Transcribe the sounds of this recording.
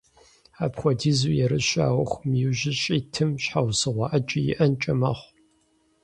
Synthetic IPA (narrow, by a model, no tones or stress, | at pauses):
aːpxʷɔdiːzuːjɛɾɨɕʷa̰ːwɐxʷʊmjɪʒɪɕʼiːtʰɨmɕħawsɨʁʷɑʔɐd͡ʒʼɪjɪ̰ʔɐnt͡ʃʼɐmɐχʷ